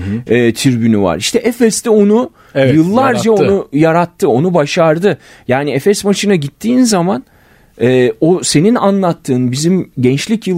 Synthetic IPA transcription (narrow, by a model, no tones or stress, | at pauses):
ɛːt̪ʰiɾbynyva̰ɾiʃt̪ʰɛʔɛfɛst̪ɛo̞nu | jɯlˠːaɾd͡ʒaonujaɾat̪ʰːɯo̞nubaʃaɾd̪ɯ | jaːniɛfɛsmaʃɯnaɟit̪ʰːiːnzaman | ɛːose̞ninanlˠat̪ʰːɯːnbizimɟɛnt͡ʃlʲicjɯl